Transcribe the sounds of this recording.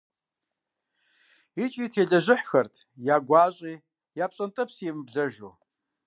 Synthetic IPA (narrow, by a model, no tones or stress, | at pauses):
it͡ʃʼiːtʰeːɮɐʒɪħxɐrtʰ | jaːɡʷaːɕʷʼiː | jaːpɕʼɐntʼɐpsɛmɨbɮɐʒoː